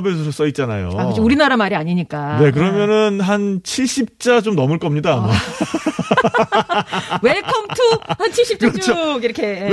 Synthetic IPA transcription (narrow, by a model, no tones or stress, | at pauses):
besʰʌsos͈ʌit̚t͡ɕ͈ana̰jo̰akkɯt͡ɕiuɾinaɾamaɾiaɲiɲik͈ane̞k̬ɯɾʌmjʌnɯnɦant͡ɕʰiɭɕ͈ip̚t͡ɕ͈at͡ɕomnʌmɯɭk͈ʌmɲidaːma | weɭkʰʌmtʰuhant͡ɕʰiɭɕ͈ip̚k͈t͡ɕt͡ɕt͡ɕʰoɡiɾʌkʰe̞